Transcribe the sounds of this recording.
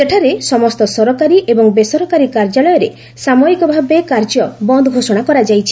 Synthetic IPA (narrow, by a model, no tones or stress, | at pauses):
seʈʰaɾesɔmɔst̪ɔsɔɾɔkaɾiʔebɔŋbesɔɾɔkaɾikaɾd͡ʒalɔjɔɾe | samɔɾikɔbʱabekaɾd͡ʒɔbɔnd̪ʱɔɡʱosɔɽ̃akɔɾad͡ʒajt͡ʃʰi̥